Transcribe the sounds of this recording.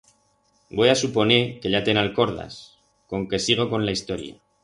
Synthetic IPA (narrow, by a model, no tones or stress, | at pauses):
bo̞jasupo̞neɾke̞ʎat̪e̞nalko̞ɾð̞a̰s | ko̞ŋke̞siɣ̞o̞ko̞nlaist̪o̞ɾja̰